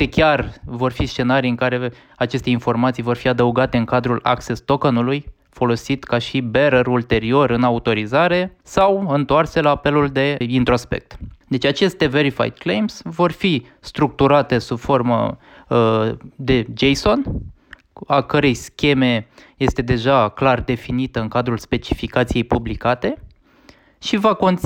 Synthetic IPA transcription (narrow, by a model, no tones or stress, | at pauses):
t̪ekʲarvo̞rfist͡ʃe̞naɾijɨŋkaɾe̞ | at͡ʃe̞st̪e̞info̞rmat̪sijvo̞rfiad̪əuɡat̪e̞ɨŋkad̪ɾula̰ksest̪o̞konuluj | fo̞lo̞sit̪kaʃibe̞ɾəɾult̪e̞ɾio̞ɾɨnaut̪o̞ɾizaɾe̞sawɨnt̪oarse̞laːpe̞luld̪e̞int̪ɾospe̞̰k̚t̪d̪e̞t͡ʃat͡ʃe̞st̪e̞ve̞ɾifa̰jd̪̚klejmsvo̞rfi | st̪ɾuk̚t̪uɾat̪e̞subfo̞rmə̰ | d̪e̞d͡ʒejso̞n | akəɾe̞jskʲe̞me̞je̞st̪e̞d̪e̞ʒaklard̪e̞finit̪əɨŋkad̪ɾulspe̞t͡ʃifikat̪sije̞jpublikat̪e̞ | ʃivako̞nt̪s